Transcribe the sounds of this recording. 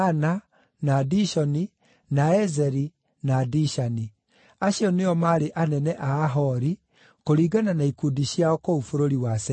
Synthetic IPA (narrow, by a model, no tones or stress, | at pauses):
ana | nadiʃɔni | naɛzɛɾi | nadiʃani | aɕiɔneɔmaɾeʔanɛnɛʔaːɦɔɾi | koɾiːɡananaikudiɕjaɔkoufoɾoɾiwasɛ